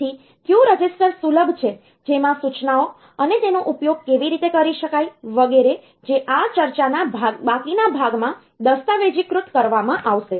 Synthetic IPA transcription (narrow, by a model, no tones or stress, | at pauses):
i | kjuɾəd͡ʒɪsʈəɾsuləbʱt͡ʃʰe | d͡ʒemãsut͡ʃnao | ənet̪enoʔupjoɡ̚keʋiɾit̪ekəɾiʃəkajʋəɡeɾe | d͡ʒeʔat͡ʃəɾt͡ʃanabʱabakinabʱaɡmã | d̪əst̪aʋed͡ʒikɾʊt̪kəɾʋamãʔaʋʃe